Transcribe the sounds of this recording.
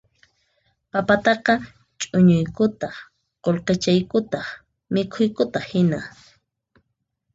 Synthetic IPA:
papat̪ɑqɑ | t͡ʃʼʊɲʊjkʊt̪ɑχ | qolqet͡ʃajkʊt̪ɑχ | mɪkʰʊjkʊt̪ɑχhɪna

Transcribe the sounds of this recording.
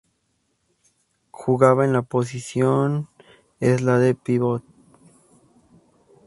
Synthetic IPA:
xuɣaβaenlapos̬isjon | eslaðepiβot̪̚

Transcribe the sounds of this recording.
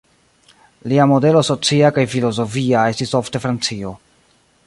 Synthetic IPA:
liamo̞de̞loso̞t͡siakajfilo̞zo̞fiae̞stiso̞fte̞fɾant͡sio̞

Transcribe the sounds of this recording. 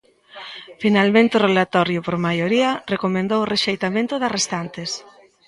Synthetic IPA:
finalmẽnt̪ʊrelat̪ɔɾjʊpoɾmajoɾiɐrekomẽnd̪owreʃejt̪amẽnt̪ʊðarest̪ant̪es

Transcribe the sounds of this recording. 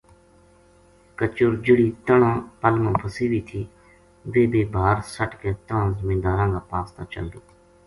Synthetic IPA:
kət͡ʃʊɾd͡ʒəɽiːt̪əɳãːpəlmõːpʰəsiːʋiːt̪ʰiː | ʋeːbeːbʱaːɾsəʈkeːt̪əɳãːzəmĩːd̪aːɾãːŋɡaːpaːst̪aːt͡ʃə̰ld̪oː

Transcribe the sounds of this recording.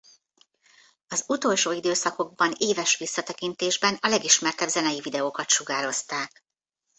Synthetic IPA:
ɒzut̪o̞lʃoːid̪øːsɒko̞ɡ̚bɒneːvɛʃʋisːɒt̪ɛkint̪eːʒbɛnɒlɛɡiʃmɛrt̪ɛbzɛnɛjivid̪ɛoːkɒt̪ʃuɡaːɾo̞st̪aːk

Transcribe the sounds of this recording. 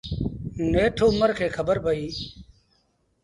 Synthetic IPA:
neːʈʰoːməɾkʰeːkʰəbəɾbəiː

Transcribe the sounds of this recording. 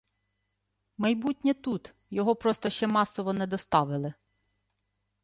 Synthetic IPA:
mɐjbutʲnʲɛt̪ut̪ | jɔɦɔpɾɔst̪ɔʃt͡ʃɛmɑsɔʋɔnɛd̪ɔst̪ɑʋɪlˠɪ

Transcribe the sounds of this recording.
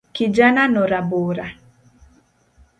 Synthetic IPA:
kid͡ʒananoɾaboɾa

